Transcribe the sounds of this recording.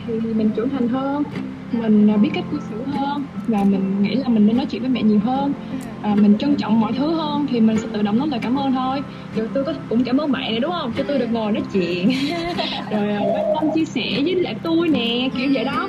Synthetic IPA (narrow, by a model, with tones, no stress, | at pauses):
t̪ʰi˨˩i˨˩mï˨˩ŋ̟t͡ɕə˧˩nt̪ʰa˨˩jŋ̟ɦəː˧n | mï˨˩ŋ̟ː˨˩ɓi˦˥t̚ka˦˥jt̚ki˧sɨ˧˩ɦəː˧nvaː˨˩mï˨˩ŋ̟ŋḭ˧˥laː˨˩mï˨˩ŋ̟ː˧nːɔ˨˦jt͡ɕw̰vːjmɛ̰˧˨ɲi˨˩əwɦəː˧n | aː˨˩mï˨˩ŋ̟t͡ɕwa˧ŋt͡ɕɔ̰˧˨wŋ͡mmɔ̰˧˨jt̪ʰɨ˨˦həː˧nt̪ʰi˨˩mï˨˩ŋ̟sɛ̰˧˥t̪ɨ̰˧˨ɗə̰˧˨wŋ͡mɗɔ˨˦laː˨˩kaː˧˩mʔəː˧nt̪ʰo˧j | zo˨˩jt̪u˧jkɔ˨˦˧kʊ̰˧˥ŋ͡mkaː˧˩məː˨˦ma̰ː˧˨nː˨˩ɗʊ˨˦ŋ͡mhə˧wŋ͡mt͡ɕɔ˧t̪u˧jɗɨ˨˩ək̚ŋo˨˩jnɔ˨˦t͡ɕḭ˧˨ən | zo˨˩jʔːɓa˨˩t̪a˧mt͡ɕi˧əsɛ̰˧˩zɨː˨˦la̰ː˧˨˩t̪u˧jnɛ˨˩ki˧˩əwzḛː˧˩ɗɔ˨˦